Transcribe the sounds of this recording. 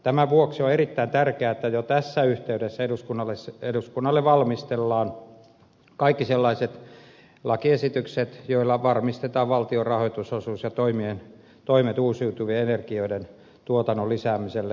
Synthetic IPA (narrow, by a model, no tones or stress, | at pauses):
t̪æmæʋuoksioerit̪ːæint̪ærkeæet̪ːæjot̪æsːæyht̪eyɾesːæeduskunːɑlːeseduskunːɑlːeʋʋɑlmist̪elːɑːn | kɑikːiselːɑiset̪ | lɑkiesit̪ykset̪joilːɑʋɑrmist̪et̪ɑːʋʋɑlt̪iorɑhoit̪usosuːsjɑt̪oimien | t̪oimet̪uːsiut̪uʋeenerkioiden | t̪uot̪ɑnːolisæːmiselːe